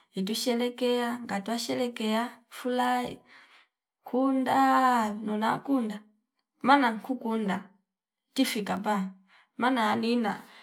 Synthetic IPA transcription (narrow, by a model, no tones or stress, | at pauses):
it̬uʃɛlɛkɛaŋɡatwaʃɛlɛkɛafulaḭ | kʰundanɔnakunda | manaŋkukunda | tifikapaŋ | manaːnina̰